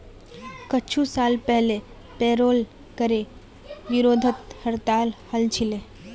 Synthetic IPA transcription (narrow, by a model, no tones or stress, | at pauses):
kət͡ʃʰũsaːlpɛɦle | peːɾoːl | kəɾe | ʋɪɾoːd̪ʱət̪həɾt̪aːlhəlt͡ʃʰile